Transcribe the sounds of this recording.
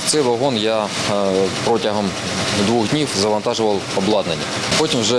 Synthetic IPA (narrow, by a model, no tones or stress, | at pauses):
t̪sɛjʋɐɦɔnja | pɾɔtʲɐɦɔm | d̪ʋuɣdʲnʲiwzɐʋɐnt̪ɑʒʊʋɐlˠɔblˠɑd̪nɐnʲːɐ | pɔtʲimwʒɛ